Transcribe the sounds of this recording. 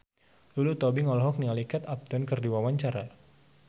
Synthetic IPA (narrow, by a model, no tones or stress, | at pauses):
dulut̪ɔbiŋɔlɦɔk̚nialikat̪ap̚t̪ɔnkərdiwawaɲt͡ʃaɾa